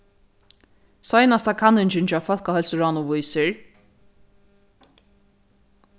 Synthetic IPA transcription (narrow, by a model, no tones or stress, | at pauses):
sɔjnast̪ʰakʰanɪnt͡ʃɪɲt͡ʃafœlkahœlsəɾɔnʊvʊjsɪɹ